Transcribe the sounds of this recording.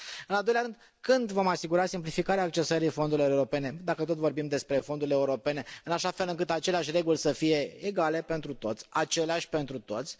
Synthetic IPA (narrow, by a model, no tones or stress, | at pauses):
ɨnald̪ojlʲaɾɨnd̪ | kɨnd̪vo̞masiɡuɾasimplifikaɾeaːk̚t͡ʃe̞səɾifo̞nd̪uɾilo̞ɾeuɾo̞pe̞ne̞d̪akət̪ot̪vo̞rbimd̪e̞spɾe̞fo̞nd̪uɾilʲeuɾo̞pe̞ne̞ɨnaʃafe̞lɨŋkɨt̪at͡ʃeleaʃʲre̞ɡulʲsəfije̞ːɡale̞pe̞nt̪ɾut̪o̞t̪sʲat͡ʃe̞leaʃʲpe̞nt̪ɾut̪o̞t̪sʲ